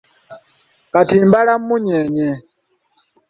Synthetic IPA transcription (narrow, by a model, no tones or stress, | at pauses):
katimbalam̩muɲɛɲɛ